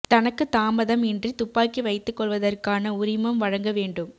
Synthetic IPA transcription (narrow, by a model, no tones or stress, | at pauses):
t̪ɐnɐkːɯt̪aːmɐðɐmɛndrit̪ʊpːaːkːiʋɐɪt̪ːɯkːɔɭʋɐðɐrkaːnɐʊɾɪmɐmʋɐɻɐŋɡɐʋeːɳɖɯm